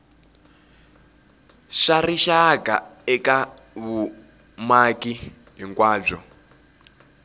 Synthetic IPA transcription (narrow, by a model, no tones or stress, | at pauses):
ʂariʃaka̰ɛka | βu | maki | ɦiŋkwaːb͡ʐɔ